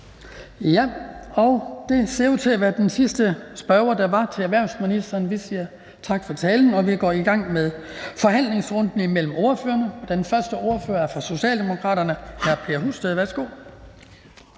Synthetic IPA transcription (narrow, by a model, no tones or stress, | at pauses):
jæɒ̽ʊd̥e̝se̝ot͡sʰe̝ʋæɐd̥ensisd̥əsb̥ɶɐʊɐd̥ɑ̈ʋɑ̈t͡sʰe̝æɐʋæɐ̰nsminisd̥ɐːnʋisiːɐ | t͡sʰɑ̈ɡ̥fɒ̽t͡sʰɛːln̩ɒ̽ʋiɡ̥ɒ̰iɡ̥ɑ̈ŋ̰meðˠ | fɒ̽ɦæn̰le̝ŋsʁɔ̽nd̥n̩imel̰m̩o̝ːɐføːɐnəɒ̥enfɶɐsd̥əo̝ɐføːɐæɐfʁɑso̝ɕɛ̰ːld̥e̝mo̝kʰʁɑ̰̈ːɾ̥ɐnəhæɐpʰe̝ɐɦṵsd̥eðˠʋæɐsɡ̥o̝̰